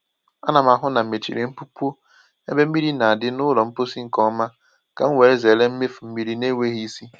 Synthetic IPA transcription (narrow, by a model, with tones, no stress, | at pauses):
a˦na˨ma˨ɦʊ˦na˨m̩˨me˨t͡ʃḭ˨ɾe˨m̩˦pu˦pu˦o˦ | e˦be˦m̩˦mi˦ɾi˦na˨a˨dɪ˦nʊ˦lɔ˨m̩˦po˦si˦ŋ̩˨kɔ˦ma˦ | ka̰˨ŋ̩˦we˨e˦ze˨le˦m̩˦me˦fm̩˦mi˦ɾi˦ne˦ŋʷe˦ɦi˦i˦si˦